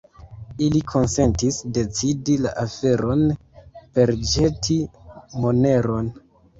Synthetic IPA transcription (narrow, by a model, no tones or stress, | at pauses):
ilikʰo̞nse̞ntisde̞t͡sidila̰ʔafe̞ɾʔo̞n | pe̞ɾd͡ʒe̞tʰimo̞ne̞ɾo̞n